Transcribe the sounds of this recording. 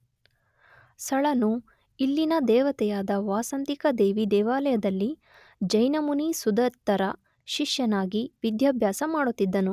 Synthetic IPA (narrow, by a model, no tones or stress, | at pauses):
sɐɭɐnu | ilːinɐd̪ɛːʋɐt̪ɛjaːd̪ɐʋaːsɐnt̪ikɐd̪eːʋid̪ɛːʋaːlɐjɐd̪ɐlːi | d͡ʒɐjnɐmunisud̪ɐɾt̪ːɐɾɐ | ʃiʂjɐnaːɡiʋid̪jaːbʱjaːsɐmaːɽut̪ːid̪ːɐnu